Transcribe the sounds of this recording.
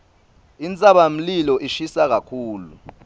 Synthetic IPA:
int͡sʼaɓam̩lilɔʔiʃisak̬akʰuːlu

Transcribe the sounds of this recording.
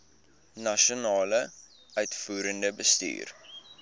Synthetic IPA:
nɐʃionɑːlə | œɥtfuːɾəndəbəsty̰ːr

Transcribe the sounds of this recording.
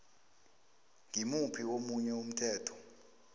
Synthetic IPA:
ŋimupʰiomuɲɛum̩tʰɛːtʰɔ̥

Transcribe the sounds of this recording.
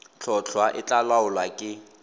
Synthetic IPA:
t͡ɬʰɔt͡ɬʰwaʔɪt͡ɬʼalaʊlwakʼɪ

